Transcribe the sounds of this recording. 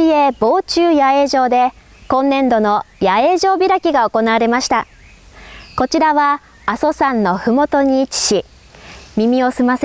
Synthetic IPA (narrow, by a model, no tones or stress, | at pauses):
ie̞bo̞ːt͡ɕɨːjae̞ːʑo̞ːd̪e̞ | kõ̞nːẽ̞nd̪o̞no̞jae̞ːʑo̞ːbʲiɾakʲiɡao̞ko̞naβaɾe̞maɕi̥t̪a | ko̞t͡ɕiɾaβaː | so̞sãnːo̞ɸɯ̟mo̞t̪o̞ɲ̟iːt͡ɕi̥ɕi | mʲimʲio̞sɨmas